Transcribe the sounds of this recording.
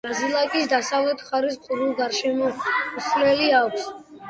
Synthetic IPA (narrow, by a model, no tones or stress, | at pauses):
azilˠakʼisd̪asavlɛt̪ʰχaɾis̬qʼuɾulˠɡaɾʃɛmɔuslɛliakʷʰs